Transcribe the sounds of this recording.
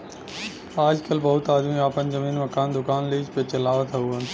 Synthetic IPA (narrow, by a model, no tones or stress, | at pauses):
aːd͡ʒkɐlbɐɦʊt̪aːd̪miaːpənzɐmiːnmɐkaːnd̪ʊkaːnliːd͡ʒpet͡ʃɐlaːʋət̪ɦɐuɦən